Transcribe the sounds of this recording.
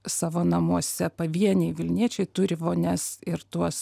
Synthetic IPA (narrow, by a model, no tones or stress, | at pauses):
sɑːʋoːnɐmuɔsʲɛpɐʋʲiɛnʲɛɪʋʲɪlʲnʲiɛt͡ʃʲɛɪt̪ʊɾʲɪʋoːnʲɛsɪɾt̪uɔs